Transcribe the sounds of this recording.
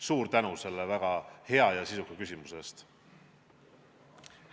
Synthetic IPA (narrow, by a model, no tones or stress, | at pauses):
suːɾt̪ænuse̞lːevæɡ̥ɑhe̞ɑjɑsisukekysʲimuse̞st̪